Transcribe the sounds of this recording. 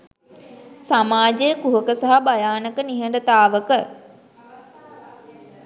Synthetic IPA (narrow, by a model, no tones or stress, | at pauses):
samaːd͡ʒejəkuɦəkəsaɦabajaːnəkəniɦəɳɖət̪aːʋəkə